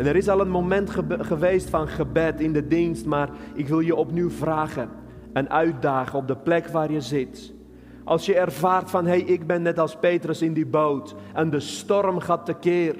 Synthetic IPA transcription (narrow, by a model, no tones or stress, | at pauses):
ɛnɛɾɪs̬ɑlˠənmomɛntχəχəʋeːstfɑnχəbɛtɪndədinstmaːrɪkʋɪlˠjəɔpnywvraːχə | ɛnʔœɥt̚daːχəɔb̚dəplɛkʋaːrjəzɪt | ʔɑ̰lˠsjəɛrvaːrtfɑnɦejʔɪɡbɛnːɛtɑlˠspeːtrəsɪndibowtɛndəstɔrmχatːəkɪːr